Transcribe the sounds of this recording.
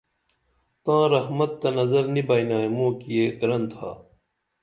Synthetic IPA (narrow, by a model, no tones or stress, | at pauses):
t̪ãːɾɐhmɐt̪ːɐnɐzɐɾnibɐːjnaːimõːkijeːkɾɐnt̪ʰa̰ː